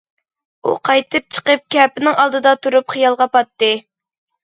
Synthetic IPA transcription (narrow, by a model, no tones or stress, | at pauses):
ṵqʰɑjt̪ʰɨp̚t͡ʃʰə̥qəp̚kʲʰɛpɪnɪŋɑlˠd̪ɨd̪ɑt̪ʰuɾupχijɑlˠʁɑpɑt̪ːɨ